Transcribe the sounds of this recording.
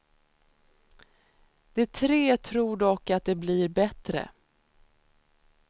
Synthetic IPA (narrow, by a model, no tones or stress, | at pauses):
d̪̥ɛt̪ʰɾeːt̪ʰɾuːɖɔkːat̪̚d̪ɛbliɾbɛt̪ɾə̰